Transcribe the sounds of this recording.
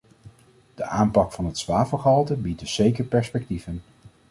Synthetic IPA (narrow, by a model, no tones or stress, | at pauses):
d̥əʔaːmpɑkfɑnɦətsʋaːvəχɦɑlˠtəbitəsejkəɹpɛɹspɛk̚tivən